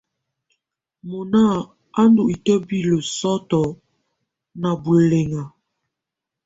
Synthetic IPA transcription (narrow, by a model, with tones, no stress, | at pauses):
mo˨na˦˨ | a˦ndu˨ʔi˨tə˦bi˦˨lə˨sɔ˦tɔ˨ | na˨bu˨le˨ŋa˨